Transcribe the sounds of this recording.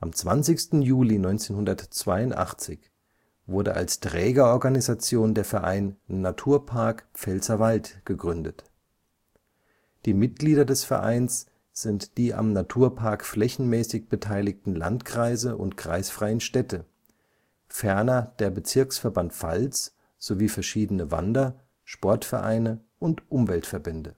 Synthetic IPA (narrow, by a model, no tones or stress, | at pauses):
ʔamt͡sv̥ant͡sɪçstn̩juːlinɔʏnt͡seːnɦʊndɐtt͡sv̥aɪʊntʔa̰χt͡sɪç | v̥ʊɐɾə̰ʔa̰lstʁ̥ɛːɡɐʔɔɐɡanizat͡sjoːndeːɐfɛɐʔa̰ɪnnatʰuːɐpʰaɐkp͡fɛlt͡sɐvaltɡ̥əɡʁʏndət | d̥iːmɪt̚ɡ̥liːdɐdɛsfɛɐ̰ʔa̰ɪns | z̥ɪntd̥iːʔa̰mnatʰuːɐpʰaɐkflɛçn̩mɛːsɪçb̥ətʰaɪlɪk̚tn̩la̰ntkʁ̥aɪzəʔʊ̰ntkʁ̥aɪsfʁ̥aɪənʃtɛtʰə | fɛɐnɐd̥eːɐbət͡sɪɐksfɛɐbantfa̰lt͡s | z̥oviːfɛɐʃiːdənəva̰ndɐ | ʃpɔɐtfɛɐʔa̰ɪnə | ʔʊntʔʊmvɛltfɛɐbɛndə